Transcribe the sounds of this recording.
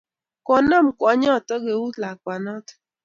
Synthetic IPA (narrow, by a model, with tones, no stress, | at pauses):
kɔ˨nɔ˦˨m̩˨kʷɔ˨˦ɲɔ˦˨tɔ˦ɡe˨wu˦la˨kʷa˨nɔ˦tɔ̥˨